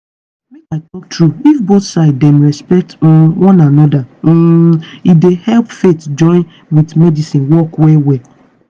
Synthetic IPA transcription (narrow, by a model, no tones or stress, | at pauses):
kmekaɪtɔk̚tʰɹuifboθsaɪddɛ̃nɹɛspɛk̚t̩wɔ̃nanɔda | idehɛlpfetd͡ʒɔ̃ɪ̃n | widmɛdisĩnwɔkwewe